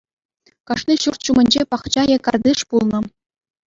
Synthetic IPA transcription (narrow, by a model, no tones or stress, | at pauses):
kɑʂnʲiɕurt̪ʲɕumɘ̆nʲd͡ʑepɑχt͡ɕɑjɤkɑrd̪ɯʂpulˠnɤ̆